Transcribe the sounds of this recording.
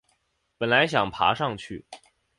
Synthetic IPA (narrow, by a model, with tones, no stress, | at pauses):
pə˨˩nla˧˥ɪɕjɑ˨˩ŋpʰa̰˧˥ʂɑ˥˧ŋt͡ɕʰy˥˩